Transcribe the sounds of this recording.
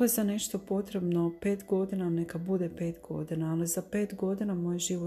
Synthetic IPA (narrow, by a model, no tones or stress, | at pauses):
ojezane̞ʃt̪o̞po̞t̪ɾe̞bno̞pe̞ːt̪ɡo̞d̪inanekabud̪e̞pe̞ːt̪ɡo̞̰d̪inaːlizape̞ːt̪ɡo̞d̪inamojʒiʋo